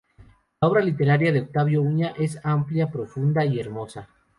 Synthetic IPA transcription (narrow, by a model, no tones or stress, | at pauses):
lao̞β̞ɾalit̪e̞ɾaɾjaðeok̚t̪aβjo̞uɲaʔe̞sampljapɾo̞fund̪aie̞ɾmo̞sa